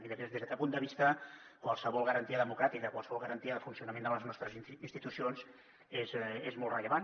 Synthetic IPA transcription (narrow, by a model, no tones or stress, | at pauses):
iðəpɾezðezðəkɛpund̪əβist̪əkwalˠsəβɔlˠɣəɾənt̪iəðəmukɾat̪ikəkwalˠsəβɔlˠɣəɾənt̪iəðəfunsiunəmẽnd̪ələznɔst̪ɾəzinst̪it̪usionz | ezezmɔlˠt̪rəʎəβan